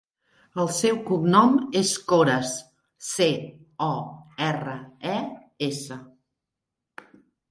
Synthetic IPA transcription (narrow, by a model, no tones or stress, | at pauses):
əlˠsɛwkubnɔmeskoɾəsː | e | ɔɛrəɛ | esə